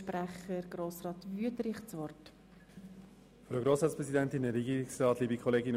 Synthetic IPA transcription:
pɾæχəɾɡ̥ɾoːsɾɑːt̪vyəd̪ɾɪχsʋɔrt | fɾoɡɾoːsɾɑːtspɾɛsidɛntɪnəɾɛɡiːɾɪksrɑːtliːbikʰχɔleːɡɪn

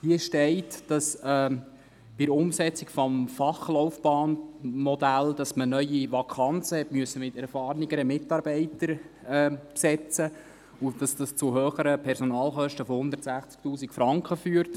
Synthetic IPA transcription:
hiəʃtɛɪtd̥ɑsɛː | b̥ɪɾʊmsɛt͡sikfɔmfɑχlɔʊfb̥ɑːnmɔdæld̥ɑsmənœʏiʋɑkʰɑnt͡səhɛtmyəsːəmɪtɛɾfɑːɾniɡəɾəmɪtɑɾb̥ɛɪtəɾɛːpsɛt͡sə | ʊd̥ɑsd̥ɑst͡sʊɦøːχəɾəpʰɛɾsɔnɑːlχœʃtəfohʊndəɾtsæχt͡sk̚tuːsikfɾɑŋkχəfyːəɾt

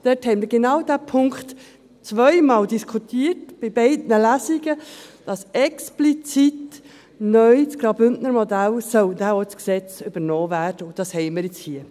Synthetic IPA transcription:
d̥ɛthɛɪnmiːɾɡenɑwd̪æːpʰʊŋkχt | t͡sʋœɪmɑːldiskʰutiːətb̥ɪbɛɪdnəlæziɡəd̥ɑsɛksplit͡sit | nœʏt͡sɡ̥ɾɑbʏntnəɾmɔd̪ælsœld̪æːɔt͡sksɛt͡syb̥əɾnɔːvæːrd̥əʊd̥ɑshɛɪmiːɾjɪt͡shiə

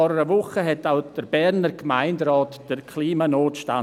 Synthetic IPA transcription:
ɔɾəɾəvʊχəɦɛtaʊd̥əɾbɛɾnəɾkmaɪndɾɑːtd̥ərkʰliːmanoːtʃta̰

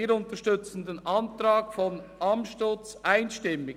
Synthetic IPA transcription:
iːəɾʊntəʃtʏt͡sn̩d̪enʔɑntɾaːkfɔnɑmʃtot͡sʔaɪnʃtɪmːɪ

